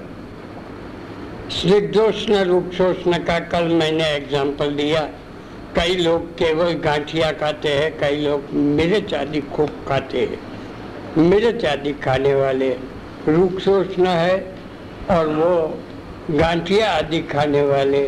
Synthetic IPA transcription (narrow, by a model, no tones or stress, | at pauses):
sɾɪk̚d̪oːʃnəɾuːksoːt͡ʃnakakɐlmɛ̃ːneeɡzãːmpəld̪ija | kɐiloːɡ̚keːʋəlɡãːʈʰijakʰaːt̪eɦɛ̃kɐiloːɡmeːɾet͡ʃa̰ːd̪ikʰuːb̚kʰaːt̪eɦɛ̰̃ | mɪɾet͡ʃaːd̪ikʰaːneʋaːle | ɾuːksoːt͡ʃnaɦɛ | ɔːɾʋo | ɡãːʈʰijaːd̪ikʰaːneʋaːle